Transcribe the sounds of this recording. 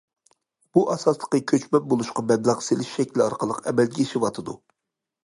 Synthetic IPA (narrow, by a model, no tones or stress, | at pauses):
b̥uʔɑsɑslˠə̥qːəkʲʰøt͡ʃmɛp̚bolˠuʃqɑbɛd̪lɑʁselɪʃʃɛkʲlɑɾqəlˠəqɛ̰mɛlɡʲɛiʃiwɑt̪ʰɨd̪u